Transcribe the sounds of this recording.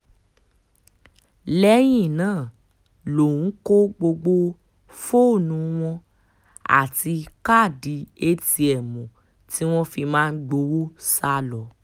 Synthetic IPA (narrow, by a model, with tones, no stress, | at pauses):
lɛ˦j̃ĩ˦˨nãː˦˨ | lo˨ũ˨˦ko˦ɡ͡bo˧ɡ͡bo˧ | fo˦˨nũ˨˦w̃ɔ̃˧ | a̰˨ti˧ka˦˨di˨˦e˧ti˧ɛ˨mũ˨ | ti˦w̃ɔ̃˦fi˧mãː˦˧n̩˦ɡ͡bo˨˧˦wo˦sa˧lɔ˨˦